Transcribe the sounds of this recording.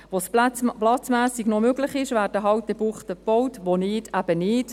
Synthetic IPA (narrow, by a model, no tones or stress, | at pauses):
ʋosplɑt͡smæːsiɡnomøɡlɪχɪʃʋæːɾdəɦɑwtːəbuχt̪əb̥ɔwtʋonɪːtʰæb̥ənɪːt